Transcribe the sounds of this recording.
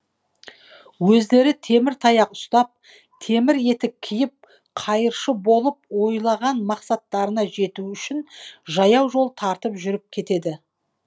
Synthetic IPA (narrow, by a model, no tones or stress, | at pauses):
wɵzd̪e̞ɾɪt̪ʰe̞mɪɾt̪ʰɑjɑqʊst̪ɑp̚ | t̪ʰe̞mɪɾe̞t̪ɪkʲʰɪjɪp̚ | qʰɑjəɾʃəbo̞lˠəp̚wo̞jlˠɑʁɑnmɑqsɑt̪ːɑɾənɑʒe̞t̪uʏʃɪnʒɑjɑwʒo̞lˠt̪ʰɑɾt̪əpʒʏɾɪp̚kʲʰe̞t̪e̞d̪ɪ